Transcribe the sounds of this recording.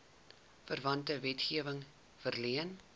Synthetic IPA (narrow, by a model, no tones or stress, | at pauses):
fərvɐntəvɛtχiəvəŋ | fərliən